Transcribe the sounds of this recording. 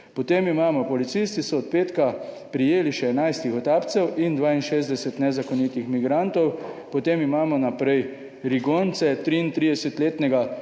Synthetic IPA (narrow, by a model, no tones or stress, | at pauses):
pɔt̪emimaːmɔpɔlit̪sist̪isɔːt̪̚peːt̪ka | pɾijeːliʃɛɛnajst̪ixɔt̪aːpt̪sɛwʔind̪ʋaːinʃeːzd̪ɛsɛt̪nɛzakɔnit̪ixmiɡɾant̪ɔwpɔt̪emimaːmɔnapɾɛj | ɾiɡoːnt̪sɛt̪ɾiint̪ɾiːd̪ɛsɛt̪leːt̪nɛɡa